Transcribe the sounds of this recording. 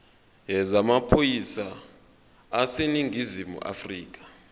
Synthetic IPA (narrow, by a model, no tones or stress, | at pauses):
ɦɛzamapʰojisaː | seniŋʱizimṵʔa̰friːk̬ḁ